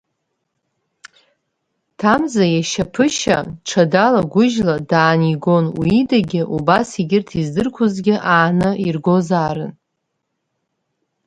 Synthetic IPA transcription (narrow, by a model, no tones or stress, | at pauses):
tʰamzajaʃapʰɨʃa̰ʈ͡ʂʰadalaɡʷʊʒladaːniɡo̞nwiidaɡʲɪʔubasiɡʲɪrtʰizdɨrkʷʰʊzɡʲɪʔaːnɨirɡo̞zaːɾɨ̰n